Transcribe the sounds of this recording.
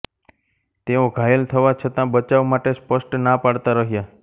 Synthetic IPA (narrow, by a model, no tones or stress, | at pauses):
t̪eõɡʱajəlt̪ʰəʋat͡ʃʰət̪ãbət͡ʃaʋmaʈespəsʈnapaɽt̪aɾəɦja